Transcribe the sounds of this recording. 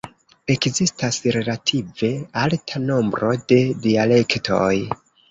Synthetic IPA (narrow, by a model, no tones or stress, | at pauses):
e̞kzistasɾe̞latʰive̞altʰano̞mbɾʔo̞de̞diale̞ktʰo̞̰j